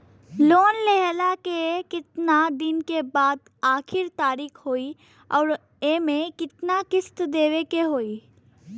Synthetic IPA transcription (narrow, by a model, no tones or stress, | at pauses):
loːnleɦlakekɪt̪nad̪ɪnkebaːd̪ | aːkʰɪɾt̪aːɾiːkʰɦoːi | ɔːɾ | emẽkɪt̪nakɪst̪d̪eːwekeɦoːiː